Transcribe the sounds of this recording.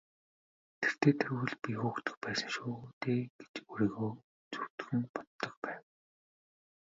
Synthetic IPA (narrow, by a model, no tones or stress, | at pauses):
t̪ʰer̥t̪ʰeːt̪ʰeɾwɘ̆ɮpʲixuːxt̪ɵ̆x̚pæːsə̆ŋʃoːt̪eːɡ̥e̥t͡ɕuɾiːɣoː | t͡su̥wt̪xɘ̆ŋpɔt̪ːɞ̆kpæːw